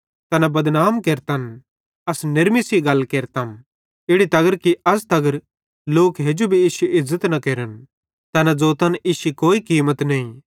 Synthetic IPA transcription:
t̪ɐnabɐd̪naːmkeːɾt̪ɐn | ɐsnɪɾmisiɡɐlkeːɾt̪ɐm | ɪɽit̪ɐɡəɾkiɐs̬t̪ɐɡəɾ | loːkɦeːd͡ʒobʱiiːsuʔɪzːət̪nɐkeːɾən | t̪ɐnad͡zoːt̪ɐnʔiːʃukoːikiːmət̪nɐĩ

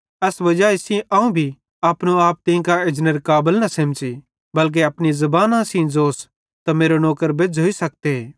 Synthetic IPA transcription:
ɛsʋɐd͡ʒaɪsĩʔɐũbʱi | aːpnũaːp̚t̪ɪĩkaɪd͡ʒnəɾkaːbəlnɐsemt͡ʃi | bɐlk̬eɐpñizɐbaːnãsĩd͡zoːs | t̪ameːɾonɔːkəɾbed͡zɦoisɐk̚t̪eɦeː

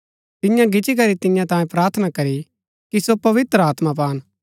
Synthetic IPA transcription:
t̪ɪjãɡɪt͡ʃik̬ɐɾit̪ɪjãt̪ãːjẽpɾaːɾt̪ʰənakɐɾi | kisopɐʋɪt̪ɾəaːt̪map̬aːn

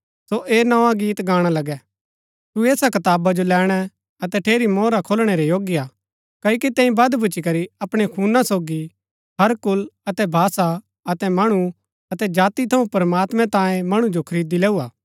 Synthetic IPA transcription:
soʔeːnɐãɡiːt̪ɡaːɽ̃alɐɡɛ | t̪ueːsakɐt̪aːbad͡ʒolɛːɽ̃ɛ | ɐt̪ɛʈʰeːɾimɔːɾakʰoːlɽ̃eɾejoːɡjaː | kɐːokit̪ɛ̃ːĩbɐd̪bʱʊt͡ʃːikɐɾiɐpɽ̃ekʰuːnasoːɡi | ɦɐɾkʊlɐt̪ɛbʱaːsa | ɐt̪ɛmɐɽ̃u | ɐt̪ɛd͡ʒaːt̪it̪ʰɐũpɐɾmaːt̪mɛ̃t̪ãːjẽmɐɽ̃ud͡ʒokʰɐɾiːd̪ilɛːuaː

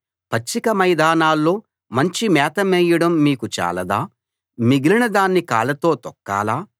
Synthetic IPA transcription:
pɐt͡ʃːikɐmɐjd̪aːnaːlːo̞ː | mɐɲt͡ʃimɛːt̪ɐmɛːjɐɽɐmːiːkut͡ʃa̰ːlɐd̪aː | miɡilinɐd̪aːnːika̰ːlɐt̪o̞ːt̪ɔkːa̰ːlaː

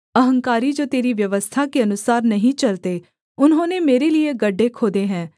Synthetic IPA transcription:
əɦə̃ŋkaːɾiːd͡ʒoːt̪eːɾiːʋjəʋəst̪ʰaːkeənʊsaːɾnəɦĩːt͡ʃəlt̪eː | ʊnɦõːneːmeːɾeːlieɡəɖːeːkʰoːd̪eːɦɛ̃ː

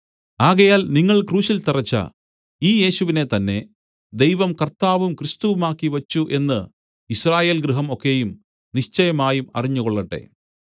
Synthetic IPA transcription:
aːɣɐjaːlniŋːɐɭkruːɕilt̪irɐt͡ɕːɐ̰ | iːje̞ːɕuʋine̞t̪ɐnːe̞̰ | d̪ejʋɐmkɐrt̪aːʋumkrɨst̪uʋumaːkːiʋɐt͡ɕːuʔe̞nːɨ | iɕraːje̞ːlɡɾɨɦɐmo̞kːe̞jum | niʂt͡ɕɐjɐmaːjumɐ̰riɲːuɣoɭːɐʈːe̞̰

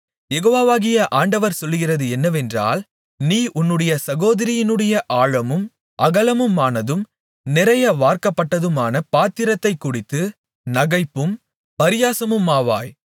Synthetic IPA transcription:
jɛɣoːʋaːʋaːɣɪjɐʔaːɳɖɐʋɐɾsɔlːɣɪrɐðɯɛnːɐʋɛndra̰ːl | niːʔʊnːɯɽɐjɐsɐɣoːðɐɾɪjɪnɯɽɐjɐʔaːɻɐmɯm | ʔɐɣɐlɐmɯmaːnɐðɯm | nɪɾɐjɐʋaːɾkɐpːɐʈːɐðɯmaːnɐpaːt̪ːɪɾɐt̪ːɐɪkːʊɽɪt̪ːɯ | nɐɣɐɪpːɯm | pɐɾɪjaːsɐmɯmːaːʋa̰ːj

